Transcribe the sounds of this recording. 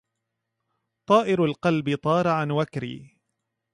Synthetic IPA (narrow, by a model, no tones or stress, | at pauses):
t̪ˤɑːʔɪɾalqɑlbɪt̪ˤɑːɾˤɑʕanwakɾḭː